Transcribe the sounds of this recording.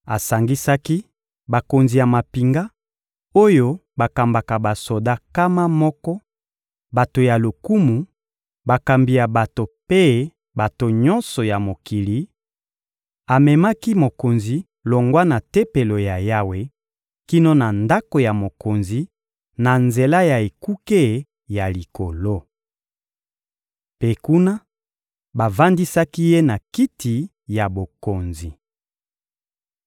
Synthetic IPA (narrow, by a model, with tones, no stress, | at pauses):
a˨sa˨ŋɡi˦sa˦ki˦ | ba˨ko˨nzi˨ja˨ma˨pi˨ŋɡa˦ | o˦jo˦ba˨ka˨mba˨ka˨ba˨so˨da˦ka˦ma˦mɔ˦kɔ˦ | ba˨to˨ja˨lo˨ku˦mu˨ | ba˨ka˨mbi˨ja˨ba˨to˨pe˦ | ba˨to˨ɲɔ̃˦nsɔ˨ja˨mo˨ki˨li˨˦ | a˨mɛ˨ma˦ki˦mo˨ko˨nzi˨ | lo˨ŋɡwa˦na˨te˦pe˨lo˨ja˨ja˦we˨ | ki˦no˦na˨nda˦ko˨ja˨mo˨ko˨nzi˨ | na˨nze˨la˦ja˨e˨ku˦ke˦ | ja˨li˨ko˨lo˦ | pe˦ku˦na˦ | ba˨va˦ndi˦sa˦ki˦je˦na˨ki˦ti˨ | ja˨bo˨ko˨nzi˨